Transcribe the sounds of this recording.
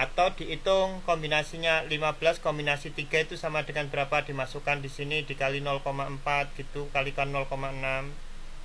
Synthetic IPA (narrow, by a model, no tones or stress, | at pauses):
ʔat̪awd̪̥i̤ʔit̪ʊŋkɔmbinasiɲalimab̥əlaskɔmbinasit̪iɡ̥a̤it̪usamad̥əŋanb̥əɾapad̪̥i̤masukand̥isinid̪̥i̤kalinɔlkomaəmpat̪̚ɡ̥it̪ukalikanɔlkomaənam